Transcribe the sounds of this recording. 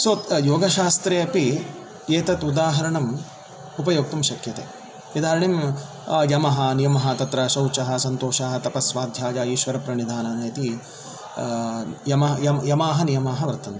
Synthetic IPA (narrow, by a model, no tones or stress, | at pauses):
soːt̪joːɡɐʃaːst̪ɾeːɐpi | eːt̪ɐt̪ud̪aːɦɐɾɐɳɐm | upɐjoːk̚t̪ɐmʃɐkjɐt̪ḛː | ʋid̪aːɾɐɳim | jɐmɐɦɐnijɐmɐɦɐt̪ɐt̪ɾɐʃɐwt͡ʃɐɦɐ̆sɐnt̪oːʃaːɦɐ̆t̪ɐpɐsʋaːd̪ʱjaːd͡ʒaːiːʃʋɐɾɐpɾɐɳid̪ʱaːnɐnɐjɐt̪i | jɐmɐjɐmjɐmaːɦɐnijɐmaːɦɐʋɐɾt̪ɐnt̪